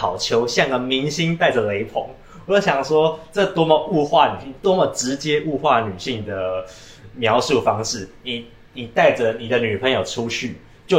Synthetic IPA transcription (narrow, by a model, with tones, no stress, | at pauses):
ɑ˨˩ʊt͡ɕʰjo˧˥ʊɕjɑ˥˩ŋɡə˨˩mi˧˥ŋɕi˦nt̪a˥˩ɪd͡zə˩le˧˥ɪpʰo̰˧˦ŋ | wɔ˧˦ɕjɑ˨˩ŋʂwɔ˦˥ʈ͡ʂə˥˩t̪wɔ˥mə˨u˥˧xwa˥˨ny˨˩ɕi˥˨˩ŋt̪wɔ˥mə˨˩ʈ͡ʂɻ̩˧˦t͡ɕjɛ˥ʔu˥˧xwa˥˩ny˨˩ɕi˥˩ŋd̪ə˩ | mjɑ˧˥ʊʂu˥˩fɑ˥ŋʂɻ̩˥˩ni˨˩˦ | ni˨˩t̪a˥˩ɪʈ͡ʂə˩ni˨˩d̪ə˦ny˨˩pʰə˧˦ŋjo˨˩ʊʈ͡ʂʰu˦ɕʰy˥˩ | t͡ɕjo˥˩